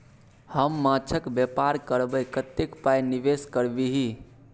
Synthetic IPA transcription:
həmːãt͡ʃʰəkbjepaɾkəɾbəkət̪ekpajnibeskəɾbiɦi

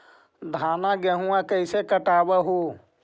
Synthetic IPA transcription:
d̪ʱaːnaɡɛɦũãkəɪsekəʈaːbəɦo

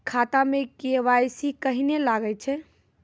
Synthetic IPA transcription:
kʰat̪amekeʋajsikəɦinelaɡəjt͡ʃʰɛ

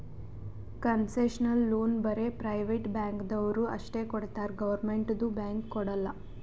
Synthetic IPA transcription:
kɐnseʃɐnɐlːoːnbɐɾe̞pɾɐjʋeʈbjaːŋkd̪ɐʋɐɾuɐ̰ʂʈeːkɔɽt̪aːɾɡɐʋɐɾmeɳʈd̪ubjaːŋkːɔɽɐlːɐ

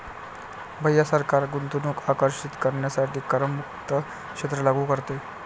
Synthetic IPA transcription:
bʱəjːasəɾkaɾɡunt̪unuːkakəɾʂit̪kəɾɳjasaɾt̪ʰiːkəɾəmːukt̪ə | kʂet̪ɾəlaɡukəɾt̪e

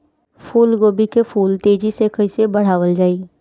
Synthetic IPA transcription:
fuːlɡoːbikefuːlt̪eːd͡ʒisekəsebɐɽ̤aːʋəld͡ʒaːiː

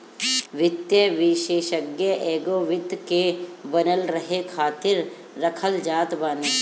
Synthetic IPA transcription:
ʋɪt̪jəʋɪʃeːʃəɡjəʔɛːɡoːʋɪd̪kebɐnəlɾɐɦekʰaːt̪ɪɾː | ɐkʰəld͡ʒaːt̪baːni

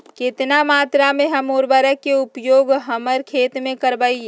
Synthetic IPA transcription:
kɪt̪namaːt̪ɾamẽɦəmoːɾbəɾəkːeʊpjoːɡɦəməɾkʰeːt̪mẽkəɾbai

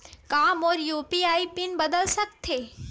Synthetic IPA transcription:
kaːmɔːɾjuːpiaːipinbəd̪əlsəkt̪ʰeː

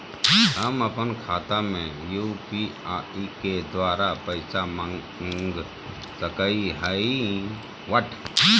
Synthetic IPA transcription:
ɦəməpənkʰaːt̪amẽjupiaiked̪ʋaːɾapəɪsamə | ŋɡ | səkəiɦəi | ʋəʈʰ

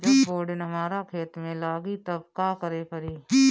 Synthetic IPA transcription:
d͡ʒbfoːɖɪnɦəmaːɾakʰeːt̪mẽlaːɡit̪əbkaːkəɾepəɾiː

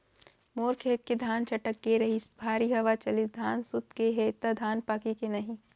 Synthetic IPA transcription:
moːɾkʰeːt̪̚ked̪ʱaːnt͡ʃʰɐʈək̚ɡeɾɐɦisbʱaːɾiɦɐʋat͡ʃɐlɪd̪ʱaːnsʊt̪keɦet̪ɐd̪ʱaːnpaːkikenɐɦĩ

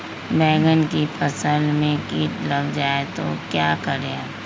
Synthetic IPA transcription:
bɛːɡənkipʰəsəlmẽkiːʈləbd͡ʒaːet̪o̰kjaːkəɾe

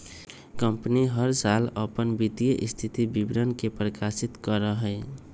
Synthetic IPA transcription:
kəmpəniɦəɾsaləpənbit̪ijəʔist̪ʰit̪ibibɾənkepɾəkasit̪kəɾəɦə

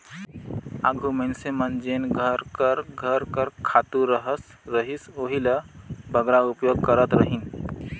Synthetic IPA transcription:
a̰ɡʱumensemənd͡ʒenɡʱəɾkəɾɡʱəɾkəɾkʰat̪uɾəɦəs | ɾəɦisoɦiləbʱəɡɾaupjoɡ̚kəɾət̪ɾəɦin

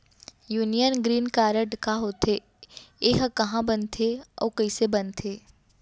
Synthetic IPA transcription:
juːnijənɡɾiːnkaːɾəʈkaɦoːt̪ʰe | eɦkɐɦãbɐnt̪ʰeɔ̰ːkɐisebɐnt̪ʰeː

